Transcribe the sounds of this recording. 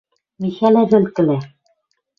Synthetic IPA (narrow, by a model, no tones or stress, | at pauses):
miʃælæβɘ̆lkɘ̆læ